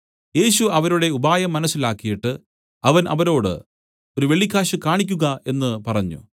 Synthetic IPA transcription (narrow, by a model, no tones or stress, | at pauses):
je̞ːɕuɐʋɐɾuɽe̞ubaːjɐmːɐnɐsːilaːkːijiʈːɨ | ɐʋɐnʔɐ̰ʋɐɾo̞ːɽɨ̰ | o̞ɾuʋe̞ɭikʲːaːɕɨkaːɳik̬ʲːuɣɐe̞nːɨpɐrɐɲːṵ